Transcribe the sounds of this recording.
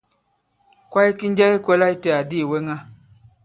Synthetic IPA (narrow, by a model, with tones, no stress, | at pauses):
kwa˦i˦ki˦n˦d͡ʒa˦i˦kwɛ˦la˦i˦tɛ˨a˨di˦˨we˦ŋa˦